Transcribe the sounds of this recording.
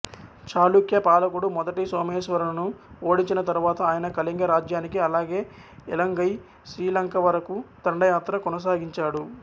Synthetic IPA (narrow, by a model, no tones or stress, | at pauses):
t͡ʃaːlukjɐpaːlɐkuɽumɔd̪ɐʈisoːmeːʃʋɐɾɐnɐnuo̞ːɽiɲt͡ʃinɐt̪ɐɾuʋaːt̪ɐaːjɐnɐkɐliŋɡɐɾaːd͡ʒjaːnikiɐlaːɡe̞ː | ɛlɐŋɡɐj | sɾiːlɐŋkɐʋɐɾɐkut̪ɐɳɖɐjaːt̪ɾɐkɔnɐs̬aːɡiɲt͡ʃaːɽu